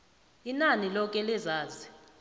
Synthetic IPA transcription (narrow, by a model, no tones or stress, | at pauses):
inanilɔk̬ʼɛlɛzaːzi